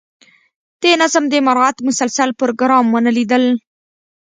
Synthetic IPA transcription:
d̪̥enazəmd̪əmaɾat̪mʊsalsalpʊɾoɡɾɑmwənəlid̪əl

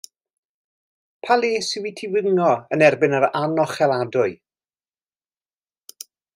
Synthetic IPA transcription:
pʰaleːsɪwitʰɪwɪŋɔənɛrbɪnəɾanɔχɛlˠadʊɨ

